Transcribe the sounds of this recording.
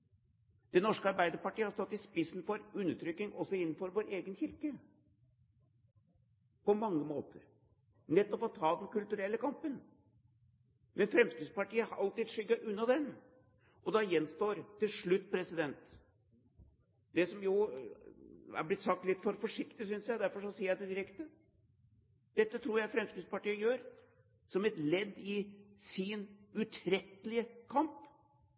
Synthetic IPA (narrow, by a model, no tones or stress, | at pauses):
d̪̥ɛnɔʂkəɑɾbæɪd̪əɾpɑʈiːəhɑɾst̪ɔt̪ːɪspɪsn̩fɔɾʉnːəʈʰɾʏkːɪŋɔsɔɪnːn̩fɔɾʋoːɾeːɡənçɪɾkə | pɔmɑŋːəmoːt̪ʰəɾ | nɛt̪ːɔpɔt̪ʰɑːd̪ɛnkʉlt̪ʉɾɛlːəkɑmpən | mʔɛnfɾɛmsk̪ɾɪːspɑʈiːəhɑɾʔɑlt̪iːd̪ʂʏɡːɑʔʉnːɑd̪ɛn | ʔɔd̪ɑjɛnːst̪oːɾt̪ɪlʂɭʉt̪ːpʰɾɛsɪd̪ɛnt̪ | d̪̥ɛsɔmjʊ | æ̰ɾblɪt̪sɑk̚t̪lɪt̪ːfɔɾfɔʂɪkt̪ɪsʏnsjæɪd̪æɾfɔʂɔsiːəjæɪd̪ɛd̪ɪɾɛkt̪ə | d̪̥ɛt̪ːət̪ʰɾuːɾjæɪfɾɛmskɾɪd̪spɑʈiːəjøːɾ | sɔmɛt̪lɛd̪ːɪsɪnʉt̪ʰɾɛt̪ːəlɪəkʰɑmp